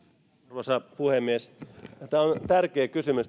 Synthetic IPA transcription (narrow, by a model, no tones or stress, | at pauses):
ʋɑsɑpuhemːiest̪æːont̪ærkeːkysymys